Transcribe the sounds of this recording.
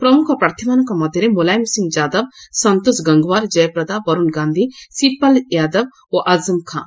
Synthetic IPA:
pɾɐmʊkʰɔɾpɾaːɾt̪ʰimaːnukamɐd̪ʱɐɾemolaːjmsɪ̃ŋɡd͡ʒaːd̪ɐb̚sɐnt̪osɡɐŋɡʋaːɾd͡ʒɐjpɾɐd̪abɐɾunɡãːnd̪ʱisipɐljaːd̪ɐb̚ | oʔɐzɨmkʰã̰ː

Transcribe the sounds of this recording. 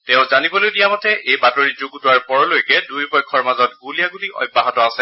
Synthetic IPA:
tɛʊ̃zanibɔlojdijamɔtɛʔejbatoɹizoɡutʊwaɹpɔɹɔlojkɛdujpɔjkʰːɔɹmazɔtɡulijaɡuliʔɔ̰jbːaɦɔtɔasɛ

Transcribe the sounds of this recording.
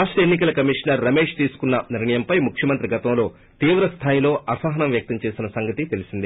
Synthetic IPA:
aːʂʈɾɐenːikɐlɐkɐmiʂnɐɾːɐme̞ːʂt̪iːsu̥kunːɐniɾɳɐjɐmpɐjmukʰjɐmɐnt̪ɾiɡɐt̪ɐmlo̞ː | t̪iːʋɾɐst̪ʰaːjilo̞ːʔɐsaːɦɐnɐmjɐk̚t̪ɐmt͡ʃe̞ːsinɐsɐŋɡɐt̪it̪elisind̪i

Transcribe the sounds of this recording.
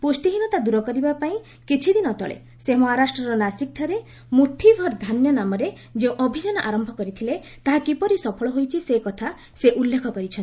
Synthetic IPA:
pusʈiɦinɔt̪ad̪uɾɔkɔɾibapaĩ | kit͡ʃʰid̪inɔt̪ɔ̰ɭḛ | semɔɦaɾasʈɾɔɾɔnasik̚ʈʰɔɾe | muʈʰibʱɔɾd̪ʱanjɔnamɔɾe | d͡ʒeũʔɔbʱid͡ʒanɔʔaɾɔmbʱɔkɔɾit̪ʰile | t̪aɦakipɔɾisɔpʰɔɭɔɦojt͡ʃʰisekɔt̪ʰa | seʔulːekʰɔkɔɾit͡ʃʰɔnt̪i

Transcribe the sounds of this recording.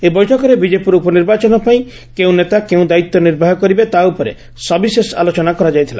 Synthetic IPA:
ebɔjʈʰɔkɔɾebid͡ʒepuɾupɔniɾbat͡ʃɔnɔpaĩ | keũnet̪akeũd̪ait̪ːɔniɾbʱaɦɔkɔɾibet̪aupɔɾḛ | sɔbisesa̰lot͡ʃɔnakɔɾad͡ʒajt̪ʰila̰

